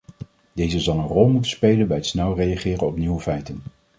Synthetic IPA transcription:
d̥ejzəzɑlˠənrɔlˠmutənspejlənbɛjətsnɛlˠrejaχɪːrənɔpniwəfɛjtən

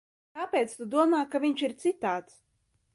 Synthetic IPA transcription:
kapʲeːt̪st̪ud̪uɔmaːkavʲiɲt͡ʃiɾt̪sit̪aːt̪s

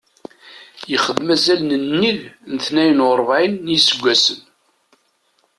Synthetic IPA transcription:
jəχəðmæzælnənːiðnəθnæjənʊɾˤvʕinːjisəɡʷːæsən

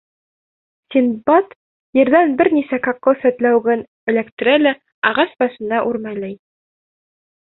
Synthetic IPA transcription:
sʲinbɑt̪ | jɘ̆ɾðænbɘɾnisækɑqːosæt̪læwɡɘn | ɘ̆lækt̪ɘ̆ɾælæ | ɑʁɑsbɑʃɤ̆nɑʔʉɾmæjlæj

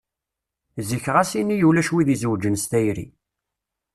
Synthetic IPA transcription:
ziçʁæsinːijulæʃwiðizəwd͡ʒənst̪æjɾḭ

